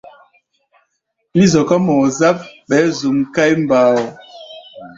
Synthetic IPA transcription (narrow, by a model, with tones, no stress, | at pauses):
li˦zɔ˨ka˦mɔ˨za˦p̚ɓɛ˨˦zu˨mka˦jm˨baː˨˦wɔ˨